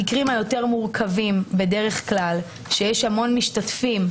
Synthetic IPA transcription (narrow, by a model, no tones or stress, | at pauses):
ikʁimajo̞te̞ʁmuʁkʰavimbe̞de̞ʁe̞χklal | ʃejeʃhamo̞nmiʃtatfim